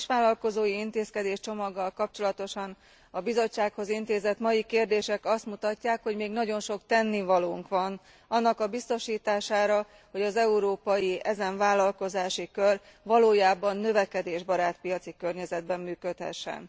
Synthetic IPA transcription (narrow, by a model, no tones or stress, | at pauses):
ʃʋaːlːɒlko̞zoːjiint̪eːskɛd̪eːʃt͡ʃo̞mɒɡːɒlkɒp̚t͡ʃo̞lɒt̪o̞ʃɒn | ɒbizo̞t͡ʃːaːkho̞zint̪eːzɛt̪mɒjikeːrd̪eːʃɛkɒst̪mut̪ɒcːaːkho̞ɟmeːɡnɒɟo̞nʃo̞kt̪ɛnːivɒloːŋkʋɒn | ɒnːɒkɒbist̪o̞ʃiːt̪aːʃaːɾɒ | ho̞ɟɒzɛuɾoːpɒjiʔɛzɛɱvaːlːɒlko̞zaːʃikør | ʋɒloːjaːbɒnːø̞vɛkɛd̪eːʒbɒɾaːt̪pijɒt̪sikørɲɛzɛd̪̚bɛmːyːkøt̪hɛ̰ʃːɛ̰n